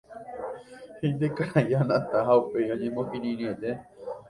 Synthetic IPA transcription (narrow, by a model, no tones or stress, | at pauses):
hind̪ekaɾajanãt̪aɦaupejõɲẽmõkĩɾĩɾ̃ĩot̪e